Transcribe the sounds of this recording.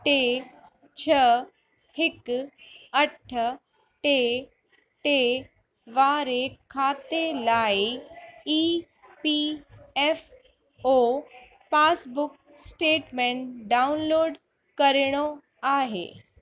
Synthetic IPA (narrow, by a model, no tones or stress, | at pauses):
ʈe | t͡ɕʰɐ | hɪk | ɐʈʰ | ʈe | ʈeː | ʋaːɾekʰaːt̪elaːiiː | piɛːf | oː | paːsbʊk̚ | sʈeːʈmẽɳʈɖaːʊnloːɖ | kɐɾɪɽ̃o | aːɦḛː